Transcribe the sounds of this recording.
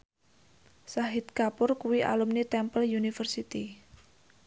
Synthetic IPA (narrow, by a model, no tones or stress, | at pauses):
saɦit̪̚kapʊrkuwiʔa̰lumnit̪ɛmpəljunifərsit̪i